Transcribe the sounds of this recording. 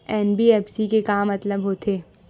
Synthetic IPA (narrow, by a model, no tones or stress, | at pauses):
ɛːnbiɛːpsikekaːmːɐt̪ləbɦoːt̪ʰeː